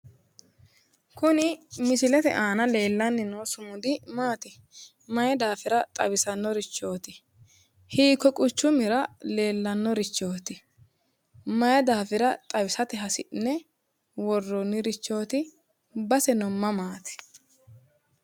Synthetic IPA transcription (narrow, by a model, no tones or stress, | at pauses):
kʊnɪmɪsɪlɛt̪ɛ̰ʔaːnɐle̞ːlːɐnːɪnoːsʊmʊd̪ɪmaːt̪ɪ | mɐjɛd̪aːfɪɾɐt̪ʼɐbɪsɐnːɔɾɪt͡ʃːo̞ːt̪ɪ | hiːkːɔkʼʊt͡ʃːʊmɪɾɐle̞ːlːɐnːɔɾɪt͡ʃːo̞ːt̪ɪ | mɐjɐd̪aːfɪɾɐt̪ʼɐbɪsɐt̪ɪɦɐsɪʔnːɛ | wɔrːɔnːɪɾɪt͡ʃːo̞ːt̪ɪ | bɐsɛnɔmːɐmaːt̪ɪ̥